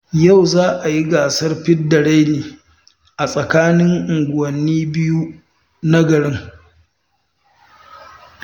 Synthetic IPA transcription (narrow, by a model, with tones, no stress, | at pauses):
ja˦˨wzaː˦ʔa˨ji˦ɡaː˨sɐ˦rɸɪ˦dɐ˨ɽa˦jneː˨ | ʔa˨sʼɐ˨kaː˦nɪ˦ŋʔʊ˨ŋɡʷʊ˨wɐ˨nːiː˦bɪ˦ju˦ | nɐ˦ɡɐ˨ɽɪ˦ŋ